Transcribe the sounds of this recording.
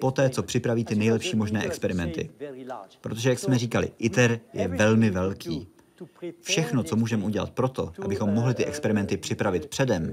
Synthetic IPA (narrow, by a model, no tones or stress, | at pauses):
po̞t̪ɛːt͡so̞pr̝̥ɪpɾaviːt̪ɪnɛjlɛpʃiːmo̞ʒnɛːʔɛkspɛɾɪmɛnt̪ɪ̰ | pɾo̞t̪o̞ʒɛjaksmɛriːkalɪ̰ʔɪt̪ɛɾjɛvɛlmɪvɛlkʰiː | fʃɛxno̞t͡so̞muːʒɛmʔuɟɛla̰t̪̚pɾo̞t̪o̞ʔabɪxo̞mːo̞ɦlɪt̪ɪʔɛkspɛɾɪmɛnt̪ɪpr̥ɪpɾavɪt̪pr̝̥ɛdɛm